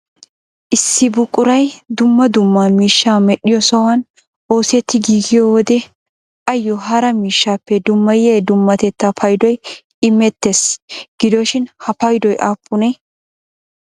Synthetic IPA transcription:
ʔɪsːɪbʊkʼːʊɾɐjd̪ʊmːɐd̪ʊmːaːmiːʃːaːmɛɗɪjɔsɔwɐn | o̞ːsɛt̪ːɪɡiːɡɪjowɔd̪ɛ | ʔɐjːɔɦɐɾɐmiːʃːaːpːɛd̪ʊmːɐjeːd̪ʊmːɐt̪ɛt̪ːɐfʰɐjd̪ɔj | ɪmɛt̪ːesɡ̥ɪd̪ɔʃɪnhɐpɐjd̪ɔjʔaːpʼːʊnɛ

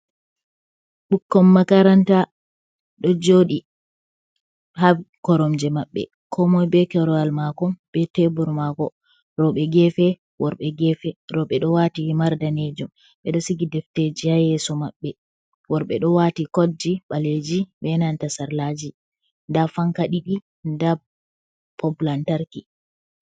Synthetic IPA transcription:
ɓukːɔmːakaɾanta | ɗɔd͡ʒoːɗi | hakɔɾɔmd͡ʒɛmaɓːɛ̰ | kʰɔmɔjbɛkɛɾɔalmakɔmɓɛtɛbuɾmakɔ | ɾɔɓɛɡɛfɛ | wɔɾɓɛɡɛfɛɾɔɓɛɗɔwatimaɾdaned͡ʒum | ɓɛɗɔsiɡidɛfted͡ʒihajɛsɔmaɓːɛ | wɔɾɓɛɗɔwatikod͡ʒiɓaled͡ʒiɓɛnantasaɾlad͡ʒi | ndafaŋkaɗiɗi | nda | pʰɔpulantaɾki

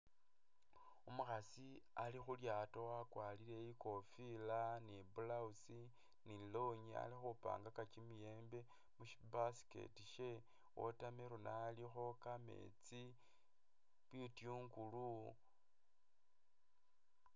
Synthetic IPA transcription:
omuxasi | alixuljaːtowakwalile̞iko̞filanibulausi | nilo̞ɲia̰lixupa̰ːŋɡakat͡ʃimije̞ːmbe̞ | muʃi̥basi̥ke̞̰tiʃe̞ | wo̰tameɾonalixo̞kame̞̰t͡si | βitiuŋɡulu

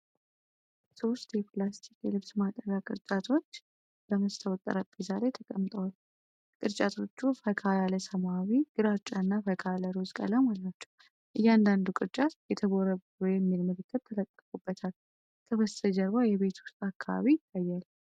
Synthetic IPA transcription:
so̞st̪jɛpʰlast̪ʰikjɛlɨβsmat̪ʼəɾakʼɨɾt͡ʃʼat̪ʰo̞t͡ʃː | bəməst̪ʰəwt̪ʼːə̰ɾəbezaɾet̪ʰəkʼəmt̪ʼəwal | kʼɨɾt͡ʃʼat̪ʰo̞t͡ʃːufəkʰajaləsəmawiɡ̥ɨɾat͡ʃʼːanːafəkʰaləɾozkʼə̰ləmalːat͡ʃːɛ̥w | ʔɨjːand̪and̪ukʼɨɾt͡ʃʼat̪jɛt̪ʰəβoɾəβɾujɛmːilmɨlɨkʰːət̪̚t̪ʰːələt̪ʼːəkʼubːət̪ʰal | kʰəβəsəd͡ʒəɾβajɛβe̞t̪ʰʊ̥st̪ʼakʰːaβa̰βit̪ʰːajːal

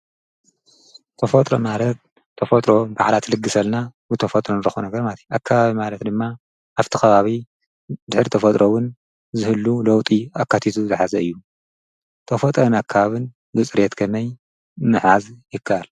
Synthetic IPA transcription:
t̪ʰɐfot̪ʼɾo̰malɐt̪̚ʰː | ɐfot̪ʼɾoba̰ʕlat̪ʰlɨɡːɨsɐlnabɨt̪ʰɐfɐt̪ʼɾonɨɾɨxunɐɡɐɾmat̪ʰi̥akʰːaβaβimalɐt̪d̪ɨmːa | ʔaβt̪ʰikʰɐβaβi | d̪ɨħɾit̪ʰɐfɐt̪ʼɾʔowʊn | zɨhɨlːulɐwt̪ʼiakːat̪ʰit̪ʰuzɨħazɐɨjːu | t̪ʰɐfot̪ʼɾɐnakʰːaβaβɨn | bɨt͡sʼɨɾjet̪kʰɐmɐj | mɨħazjɪkʰːaʔal

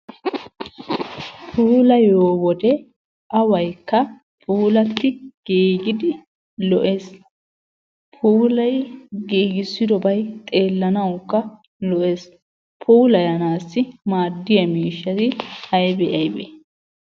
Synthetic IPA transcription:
pʰuːlɐjoːwɔd̪ɛ | ʔɐwɐjkːɐ | pʰuːlɐt̪ːɪɡ̥iːɡɪd̪ɪ | lɔʔes | pʰuːlɐjɡiːɡɪsːɪd̪ɔbɐjt̪ʼe̞ːlːɐnɐwkːɐ | lɔʔes | pʰuːlɐjɐnaːsːɪmaːd̪ːɪjɐmiːʃːɐt̪ɪɐjbɛʔɐjbɛ̰

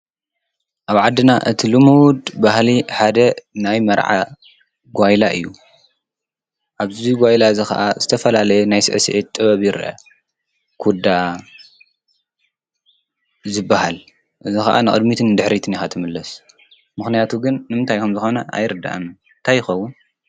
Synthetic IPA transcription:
ʔaβʕad̪ːɨnaʔɨt̪ʰilɨmuwd̪bahliħad̪ɐnajmɐɾʕa̰ | ɡʷajlaʔɨ̰jːu | ʔaβzziɡʷajlaɨzixɐ̰ʔazɨt̪ʰɐfɐlalɐjɛnajsɨ̰ʕɨsɨʔet̪ʼːɨβɐβjɪɾʔɐ̰ | kʰud̪a | zɨbːahal | ʔɨzixɐ̰ʔa̰nɨχʼɨ̰d̪mit̪ʰɨnd̪ɨħɾit̪ʰɨnixat̪ʰɨmɨlːɐs | mɨxnijat̪ʰuɡɨnːɨmɨnt̪ʰajkʰɐmzɨxo̞nɐʔa̰jɾɨd̪a̰ʔɨm | nt̪ʰajːɪxɐwːʊn

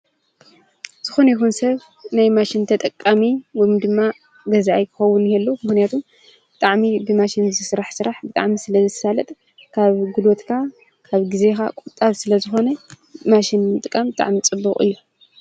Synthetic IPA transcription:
z̥ɨxo̞nɐjixunsɐβ | najmaʃɪnt̪ʰɐt̪ʼɐkʼːamiwɔjmd̪ɨmːa | ɡɐzʔajkʰɨ̥xɐwunhɛlːumɨxnijat̪ʰum | bɨt̪ʼaʕmibɨmaʃɪnzɨsɨɾaħsɨɾaħbɨt̪ʼa̰ʕmisɨlɐzɨsalɐt̪ʼ | kʰaβɡulot̪kʰa | kʰaβɡize̞xakʼut̪ʼːaβsɨlɐzɨxo̞nɐ | maʃɪnmɨt̪ʼɨkʼambɨt̪ʼa̰ʕmit͡sʼɨbːuχʼɨ̰jːu

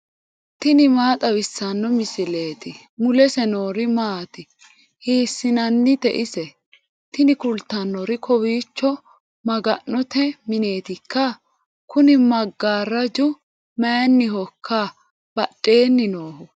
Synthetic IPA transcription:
t̪ɪnɪmaːt̪ʼɐwɪsːɐnːɔmɪsɪle̞ːt̪ɪ | mʊlɛsɛno̞ːɾɪmaːt̪ɪ | hiːsːɪnɐnːɪt̪ɛʔɪsɛ | t̪ɪnɪkʊlt̪ːɐnːɔɾɪkʰɔwiːt͡ʃːɔ | mɐɡɐnːɔt̪ɛmɪne̞ːt̪ɪkːɐ | kʊnɪmɐɡːaːɾːɐd͡ʒʊ | mɐjɐnːɪhɔkʰːa | b̥ɐɗʼːe̞ːnːɪnoːhʊ

